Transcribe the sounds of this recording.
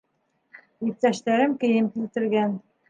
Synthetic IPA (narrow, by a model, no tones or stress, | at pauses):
jip̚t̪æʃt̪æɾɘmkɘ̆jɘmkilt̪ɘ̆ɾɡæn